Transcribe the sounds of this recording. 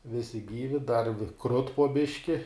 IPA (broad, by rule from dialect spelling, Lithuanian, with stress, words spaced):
ˈʋʲɪsʲɪ ˈɡʲiːʋʲɪ dɐr ʋʲɪ krʊt poː ˈbʲɪʃʲkʲɪ